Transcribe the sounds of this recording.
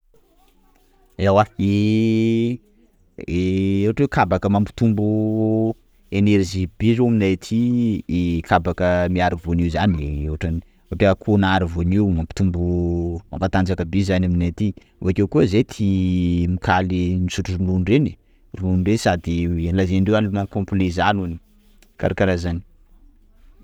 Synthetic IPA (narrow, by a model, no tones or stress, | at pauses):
ewai | ewaʈ͡ʂwewkʰabakəmampi̥t̪umbu | eneɾʒib̥izoaminat̪ʰiekʰabakəmiaɾivoniuzanewaʈ͡ʂani | ewaʈ͡ʂekʰunaɾivoniwmampi̥t̪umbuma̰mpat̪and͡zakəbezanaminat̪i | ṵakewkuəzet̪ʰimikʰalinisuʈ͡ʂurunuɳɖ͡ʐeni | runuɳɖ͡ʐesad̪ilazeɳɖ͡ʐewanlnakõmplezanuni̥ | ka̰ɾakaɾazani